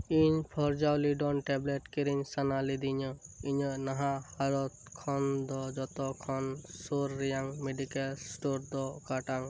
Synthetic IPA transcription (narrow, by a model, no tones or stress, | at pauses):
iɲpʰɔɾd͡ʒawliɖɔnʈɛbleʈkiɾiɲsanalid̪iɲɔiɲɔnaɦãhaɾɔt̪̚kʰɔnd̪ɔd͡ʒɔt̪ɔkʰɔnsuɾːijaŋmeɖikelsʈoɾd̪ɔkaʈaŋ